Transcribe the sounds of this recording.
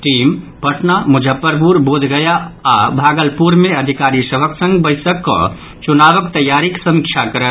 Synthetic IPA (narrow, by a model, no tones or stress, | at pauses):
ʈiːm | pəʈnamʊd͡ʒʱəpːəɾpuɾboːd̪ʱɡəjaabʱaːɡəlpuɾmeəd̪ʱikaːɾisəbʱəksə̃ŋɡbəɪsəkːɔ̰ | t͡ʃunaʋəkt̪əjːaɾiksə̃ŋkt͡ʃʰakəɾə